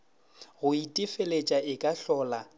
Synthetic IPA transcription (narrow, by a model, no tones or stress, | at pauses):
ɣʊitʼɪfelet͡ʃʼaɪkʼaɬɔːla